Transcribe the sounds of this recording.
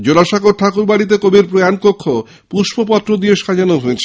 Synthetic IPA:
d͡ʑolaʃaɡoɾʈʰakuɾbaɽit̪̬ekobiɾpɾojankokʰːo | puʃbopɔt̪ːɾod̪ieʃad͡ʑanoɦoet͡ɕʰe

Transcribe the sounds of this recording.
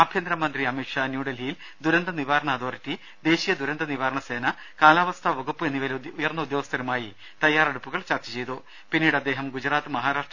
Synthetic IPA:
abʱjɐnd̪ɾɐmɐnd̪riɐmiʈʂaːnjuːɽɐlijil | d̪uɾɐnd̪ɐniʋaːɾɐɳɐːd̪o̞ːritːi | d̪e̞ːɕijɐd̪uɾɐnd̪ɐniʋaːɾɐɳɐse̞ːnɐ | kaːlaːʋɐst̪ʰɐʋɐɣupːɨenːiʋɐlujɐrnːɐud̪jo̞ːɡɐst̪ɐɾɐmaːji | t̪ɐjːaːreɽupːuɣɐɭt͡ɕɐrt͡ɕɐt͡ɕe̞jt̪u | pinːiːɽɐd̪ːe̞ːɦɐmɡud͡ʑɾaːt̪ːɨmɐɦaːɾaːʂʈr

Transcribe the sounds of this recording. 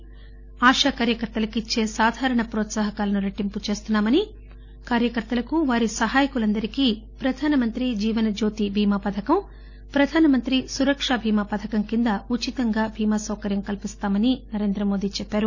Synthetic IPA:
aːʂaːkaːɾjɐkɐɾt̪ɐlɐkit͡ʃːe̞ːsaːd̪ʱaːɾɐɳɐpɾɔːt̪saːɦɐkaːlɐnuɾɐʈːimput͡ʃe̞ːst̪unːaːmɐni | kaːɾjɐkɐɾt̪ːɐlɐkuʋaːɾisɐɦaːjɐkulɐnd̪ɐɾikiː | pɾɐd̪ʱaːnɐmɐnt̪ɾid͡ʒiːʋɐnɐd͡ʒoːt̪ibʱiːmapɐd̪ʱʰɐkɐm | pɾɐd̪ʱaːnɐmɐnt̪ɾisuɾɐkʂabʱiːmaːpɐd̪ʱʰɐkɐmkind̪ɐut͡ʃit̪ɐŋɡaːbʱiːmaːsɐwkɐɾjɐmkɐlpist̪aːmɐninɐɾe̞ːnd̪ɾɐmo̞ːd̪iːt͡ʃɛpːaːɾu

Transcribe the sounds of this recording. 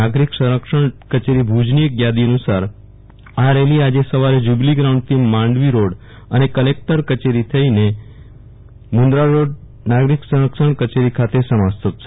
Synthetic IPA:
aɡɾiksəɾəkʃəɳkət͡ʃeɾibʱud͡ʒnijekɡjad̪iənusaɾ | aɾeliad͡ʒesəʋaɾed͡ʒubliɡɾaũɳɖ̚t̪ʰimãɳɖʋiɾoɽ | ənekəlek̚ʈəɾkət͡ʃeɾit̪ʰəine | mund̪ɾaɾoɖ | naɡɾiksəɾəkʃəɳkət͡ʃeɾikʰat̪esəmast̪ʰət̪̚t͡ʃʰ

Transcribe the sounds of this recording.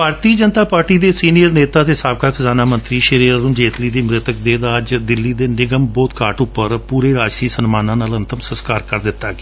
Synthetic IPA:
bʱaːɾt̪iːd͡ʒənt̪aːpaːɾʈiːd̪eːsiːnijəɾneːt̪aːt̪eːsaːb̚kaːkʰəzaːnaːmənt̪ɾiːʃəɾiːɾːũːd͡ʒeːt̪liːd̪iːmɾɪt̪ək̚d̪eːd̪aːəd͡ʒd̪ɪlːiːd̪eːnɪɡəmbɔːt̪kaːʈʊpːəɾpuːɾeːɾaːd͡ʒsɾiːsənmaːnãːnaːlənt̪əmsəskaːɾkəɾd̪ɪt̪ːaːɡeː

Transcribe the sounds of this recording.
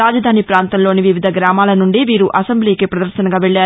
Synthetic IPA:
aːd͡ʒɐd̪ʱaːnipɾaːnt̪ɐmloːniʋiʋid̪ʱɐɡɾaːmaːlɐnuɳɖiʋiːɾuʔɐsembliːkipɾɐd̪ɐɾʃɐnɐɡaːʋeɭːaː

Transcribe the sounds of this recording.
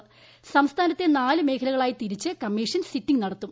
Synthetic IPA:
sɐmst̪ʰaːnɐt̪ːe̞naːlɨme̞ːkʰɐlɐɣɐɭaːjit̪iɾit͡ɕːɨkɐmːiːʂɐnsitːiŋnɐɽɐt̪ːum

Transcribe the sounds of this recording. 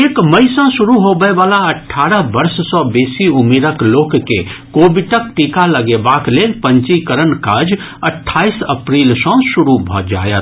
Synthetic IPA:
eːkməɪsə̃sʊɾuɦobəeʋaːlaəʈʰːaːɾəɦbəɾssɔ̃beːsiʊmeːɾəkloːkkːḛkoːbɪʈək̚ʈikaləɡebaːkleːlpə̃ɲt͡ʃikəɾənkaːd͡ʒ | əʈʰːaːisəpɾiːlsɔ̃sʊɾubʱɔ̰d͡ʒa̰ːjət̪

